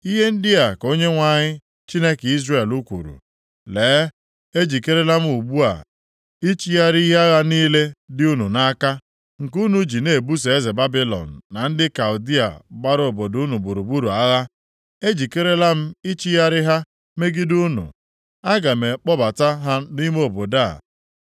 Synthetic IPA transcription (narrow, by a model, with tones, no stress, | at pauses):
i˦ɦe˦n̩˦dɪ˦a˨ko˦ɲe˦ŋʷa˨ɲɪ˦ | t͡ʃi˦ne˦ki˦zre˨lu˦kʷṵ˨ɾṵ˨ | leː˨˦ | e˦d͡ʒi˨ke˦ɾe˦la˦m̩˦u˨bu˦a̰˨ | i˦t͡ʃi˦ja˦ɾi˦ɦe˦a˦ɣa˦niː˦le˦dɪ˦u˦nu˨na˦ka˦ | ŋ̩˨ku˦nu˦d͡ʒi˨ne˨bu˦se˨e˦ze˨ba˦bi˦lɔ̰˨n̩ː˨a˨n̩˦dɪ˦ka˨ʊ˨di˦a̰˨ɡ͡ba˦ɾo˨bo˨du˦nu˨bu˨ɾu˨bu˦ɾu˨a˦ɣa˦ | e˦d͡ʒi˨ke˦ɾe˦la˦m̩˦i˦t͡ʃi˦ja˦ɾɪ˦ɦa˦ | me˦ɡɪ˦du˦nṵ˨ | a˦ɡa˨me˨k͡pɔ˦ba˨ta˦ɦa˦ni˦m˦o˨bo˨da˦˨